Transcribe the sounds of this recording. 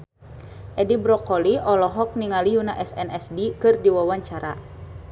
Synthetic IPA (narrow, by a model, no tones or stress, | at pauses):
ʔɛdibɾɔkɔliʔɔlɔɦɔk̚niŋaliunaʔɛsɛnɛsdikɨrdiwawaɲt͡ʃaɾa̰